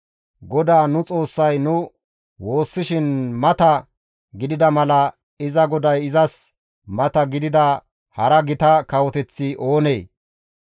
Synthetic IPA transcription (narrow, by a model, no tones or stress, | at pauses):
ɡɔd̪aːnʊt͡sʼo̞ːsːɐjnʊ | wo̞ːsːɪʃɪnmɐt̪ɐ | ɡɪd̪ɪd̪ɐmɐlɐ | ɪzɐɡɔd̪ɐjɪzɐs | mɐt̪ɐɡɪd̪ɪd̪ɐ | hɐɾɐɡɪt̪ɐkɐwɔt̪ɛt͡sːɪʔo̞ːne̞ː